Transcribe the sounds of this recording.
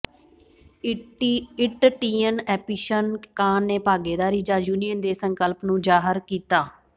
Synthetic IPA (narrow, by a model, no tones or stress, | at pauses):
ɪʈʈiːənɛːpiːʃənkaːnːeːpaːɡeːd̪aːɾiːd͡ʒaːjuːnijənd̪eːsəŋkəlpnũːd͡ʒaːɦəɾkiːt̪aː